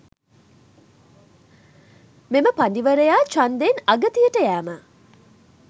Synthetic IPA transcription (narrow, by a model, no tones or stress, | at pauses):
meməpandiʋəɾejaːt͡ʃand̪enaɡət̪ijəʈəjæːmə